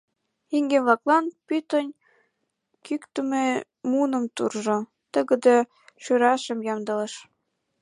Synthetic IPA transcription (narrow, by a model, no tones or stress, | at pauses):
iŋɡeβlɑklɑnpyt̪ənʲ | kykt̪əme | munə̆mt̪urʒo | t̪əɣə̆d̪e | ʃyɾɑʃə̆mjɑmd̪ələ̆ʃ